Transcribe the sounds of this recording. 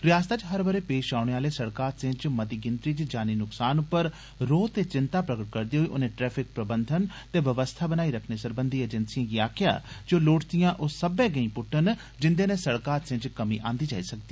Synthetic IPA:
ɾɪjaːst̪aːt͡ʃɦəɾbəɾeːpeːʃaːʊɽ̃eːaːleːsəɽkaːɾsẽt͡ʃmət̪iːɡɪnt̪ɾiːt͡ʃd͡ʒaːniːnʊksaːnʊpːəɾ | ɾoːt̪eːt͡ʃɪnt̪aːpɾəɡəʈ̚kəɾd̪iːɦoiːʔʊ̰nẽːʈɾɛːpʰɪk̚pɾəbənd̪ʱən | t̪eːʋəʋəst̪ʰaːbənaːiːɾəkʰneːsəɾbənd̪ʱiːed͡ʒənsijãːɡiːaːkʰɪja̰ːd͡ʒoːloːʈt̪ijãːʔosəbẽːɡəĩːpʊʈʰːən | d͡ʒɪnd̪eːnẽːsəɽkaːɾsẽt͡ʃkəmĩːʔã̰ːnd̪iːd͡ʒa̰ːiːsək̚d̪iː

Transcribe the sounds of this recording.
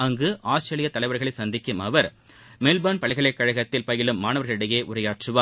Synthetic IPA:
ɐŋɡɯʔaːsʈɾeːlɪjɐt̪ːɐlɐɪʋɐɾɣɐɭɐɪsɐnd̪ɪkːɯmɐʋɐɾ | melbaːnpɐɭɐɪɣɐɭɐɪkːɐɻɐɣɐt̪ːɪlpɐjɪlɯmːaːnɐʋɐɾɣɐɭɪɽɐjeːʔʊɾɐjaːʈrɯʋaː

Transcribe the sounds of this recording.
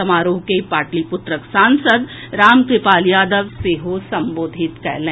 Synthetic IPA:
ɐmaːɾoːkepaːʈlipʊt̪ɾəksãːnsəd̪ | ɾaːmk̪epaːljaːd̪əʋseːɦosɐmboːd̪ʱɪt̪kɐ̰ɦlẽ

